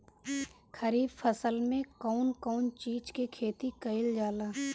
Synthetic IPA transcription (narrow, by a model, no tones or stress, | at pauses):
kʰəɾiːbfʰəsəlmẽkɔːnkɔːnt͡ʃiːd͡ʒkekʰeːt̪ikɐɪld͡ʒaːlaː